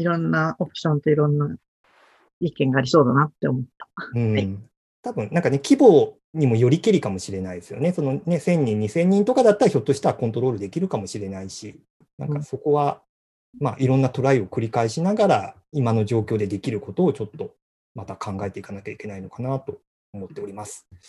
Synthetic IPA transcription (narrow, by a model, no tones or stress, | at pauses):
iɾõ̞nːaopɯ̟̥ɕõ̞nt̪o̞iɾõ̞nːa | ikẽ̞ŋɡaːɾʲiso̞ːd̪anat̪ːe̞omo̞t̪ːḁɯ̟̃ː | t̪abɯ̟̃nnãŋkanekʲibo̞ː | ɲ̟imo̞jo̞ɾʲikiɾʲikamo̞ɕiɾe̞naid̪esɨjo̞ne̞so̞no̞ne̞sẽ̞ɲ̟ːĩɲ̟ːisẽ̞ɲ̟ːĩnt̪o̞kad̪at̪ːaɾaço̞t̪ːoɕi̥t̪aβakont̪o̞ɾo̞ːɾɯ̟d̪e̞kʲiɾɯ̟kamo̞ɕiɾe̞naiɕi | nã̰ŋkaso̞ko̞βa | ma̰ːʔiɾõ̞nːat̪o̞ɾaio̞kɯ̟ɾʲikaiɕinaɡaɾa | imano̞ʑo̞ːkʲo̞ːd̪e̞d̪e̞kʲiɾɯ̟ko̞t̪o̞ːt͡ɕo̞t̪ːo̞ | mat̪akʰãŋɡae̞t̪e̞ikanakʲaikʲe̞naino̞kanat̪o̞ː | mo̞t̪ːe̞o̞ɾʲimasɨ̥